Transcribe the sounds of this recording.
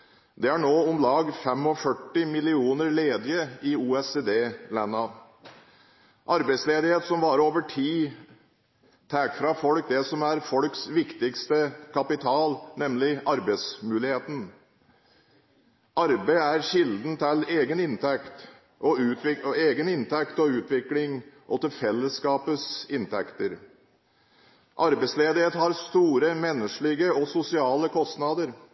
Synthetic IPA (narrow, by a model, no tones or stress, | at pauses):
d̪ɛæɳoːʊmlɑːɡfɛmɔfœʈːɪmɪlɪuːnəɾleːd̪ɪəɪuːɛseːd̪eːlænːɑ | ʔɑɾbæɪsleːd̪ɪheːt̪sɔmʋɑːɾoːʋəʈʰiː | t̪ʰæːkfɾɑfɔlk̚d̪ɛsɔmæɾfɔlksʋɪkt̪ɪkst̪əkʰɑpɪt̪ʰɑːlnɛmlɪʔɑɾbæɪsmʉːlɪheːt̪n̩ | ʔɑɾbæɪæɾɕɪld̪n̩t̪ʰɪleːɡənɪnt̪ʰɛkt̪ | ʔɔʉːɪeːɡənɪnt̪ʰɛkt̪ɔʉːt̪ʋɪklɪŋʔɔt̪ɪlfɛlːəskɑːpəsɪnt̪ʰɛkt̪əɾ | ʔɑɾbæɪtsleːd̪ɪheːt̪hɑɾst̪uːɾəmɛnːəʂɭɪɡəɔsʊsɪɑːləkʰɔst̪nɑd̪əɾ